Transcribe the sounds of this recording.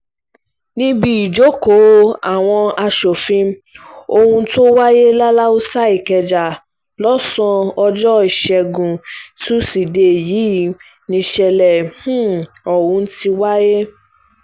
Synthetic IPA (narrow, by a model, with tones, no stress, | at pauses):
nĩ˦bi˧i˨d͡ʒo˨˦ko˨˦a˨w̃ɔ̃˧a˧ʃo˨fĩ˧o˧hũ˧˦to˦wa˦je˦la˦la˦o˦sa˦i˨kɛ˨d͡ʒa˨ | lɔ˦sɔ̃˧ɔ˧d͡ʒɔ˦i˨ʃɛ˨ɡũ˨tu˦si˨de˨jiː˨˦ | nĩ˧ʃɛ˧lɛ˨hũ˦ | ɔ˨wũ˧˦n̩˦ti˧wa˦je˦